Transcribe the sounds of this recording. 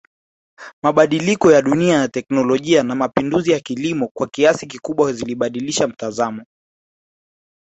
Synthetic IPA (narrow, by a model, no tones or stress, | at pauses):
maɓaɗilikɔjaɗuniajatɛknɔlɔʄianamapinduzijakilimɔkwakiasik̬ikuɓwaziliɓaɗiliʃam̩tazamɔ